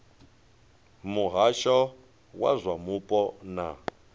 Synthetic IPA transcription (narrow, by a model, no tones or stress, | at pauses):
muɦaʃɔ | wa̰zʷwamupʼɔna̰